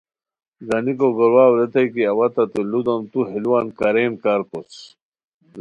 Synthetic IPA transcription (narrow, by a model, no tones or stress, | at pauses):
ɡɐnikoɡoɾwaːwɾet̪ɐjkiɐwɐt̪ɐt̪ilud̪omt̪uɦiluwankɐɾeːnkaɾkot͡s